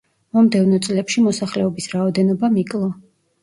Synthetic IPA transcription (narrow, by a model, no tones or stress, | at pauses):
mɔmd̪ɛvnɔt̪sʼlɛpʃimɔsaχlɛɔbisɾaɔd̪ɛnɔbamikʼlˠɔ